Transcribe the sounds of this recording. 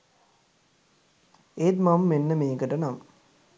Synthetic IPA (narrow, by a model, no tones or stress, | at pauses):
eːt̪mamːenːəmeːɡəʈənam